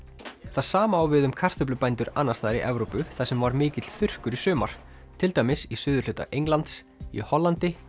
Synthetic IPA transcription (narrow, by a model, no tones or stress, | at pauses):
θaðsaːmaːwvɪðʏmkʰar̥t̪ʏplʏpajnt̪ʏɾa̰ːnːast̪aːðɾḭʔɛvɾowpʏθaðsɛmvaɾmɪːcɪt̪l̥θʏr̥kʏɾisʏːma̰ɾ̥ | t̪ʰɪlt̪ajmɪsisʏːðʏɾlʏːt̪a̰ʔejŋlant̪s | ḭhɔlːant̪ɪ